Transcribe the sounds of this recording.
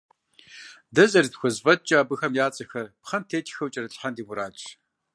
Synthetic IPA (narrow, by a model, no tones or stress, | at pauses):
dɐzɐritxʷɔzvɐd̚t͡ʃʼaːbɨxɐmjaːt͡sʼɐxɐrpχɐmtʰeːtʰʼxɐwt͡ʃʼɐrɐɬħandiːmʊɾaːt͡ʃʼ